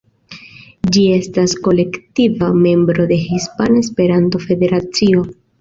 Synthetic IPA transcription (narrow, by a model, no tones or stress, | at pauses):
d͡ʒie̞stasko̞le̞ktivame̞mbɾo̞de̞hispanaes̬pe̞ɾanto̞fe̞de̞ɾat͡sio̞